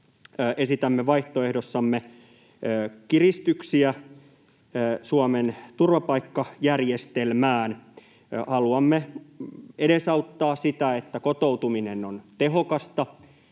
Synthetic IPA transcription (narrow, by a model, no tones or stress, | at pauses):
ʔesit̪æmːeʋɑiht̪oehdosːɑmːe | kirist̪yksiæ | suɑment̪urʋɑpɑikːɑjærjest̪elmæːn | hɑluɑmːe | eɾesɑut̪ːɑːsit̪æet̪ːækot̪out̪uminenːont̪eɦokɑst̪ɑ